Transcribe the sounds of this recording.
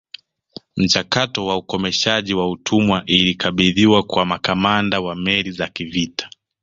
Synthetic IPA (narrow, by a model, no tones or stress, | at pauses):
m̩t͡ʃakatɔwaukɔmɛʃaʄiwautʰumwaʔilikaɓiðiwakwamakamandawamɛlizakivitʰḁ